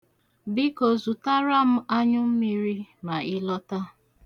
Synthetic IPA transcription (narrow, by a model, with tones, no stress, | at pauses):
bɪ˦ko˨zu˨ta˦ɾa˦m̩˦a˦ɲʊ˦m̩˦mi˦ɾi˦ma˨ɪ˦lɔ˦ta˦